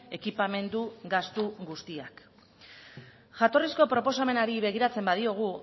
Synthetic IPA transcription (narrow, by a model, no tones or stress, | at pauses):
e̞kipame̞nd̪uɡast̪uɡust̪iak | ʝat̪o̞risko̞pɾo̞po̞same̞naɾiβe̞ɣ̞iɾat͡se̞mbað̞io̞ɣ̞u